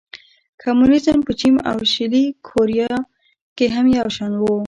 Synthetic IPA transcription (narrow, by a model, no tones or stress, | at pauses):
kʰamunizəmpət͡ʃima̰wʃɪlikʰoɾijɑ | keɦamjawʃɑnwo